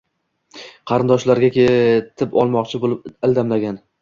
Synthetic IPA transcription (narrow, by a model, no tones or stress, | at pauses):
qʰɑɾɪnd̪ɒʃlaɾɡʲakʲet̪ʰɪpɒ̰lˠmɒqt͡ʃʰɪbolɪp̚ɪld̪amlaɡʲan